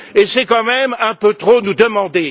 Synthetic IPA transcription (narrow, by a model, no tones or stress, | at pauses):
esɛkɑ̃mɛmɛ̃pøt̪χonud̪əmɑ̃d̪e